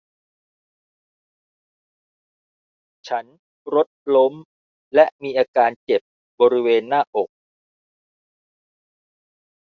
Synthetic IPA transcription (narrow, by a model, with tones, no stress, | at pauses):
t͡ɕʰa˦˥n | ɾo˦˥t̪̚lo˦˥m | lɛ˦˥miː˧ʔaː˧kaː˧nt͡ɕe˨˩p̚ | bɔː˧ɾi˦˥weː˧nːaː˥˩ʔo˨˩k̚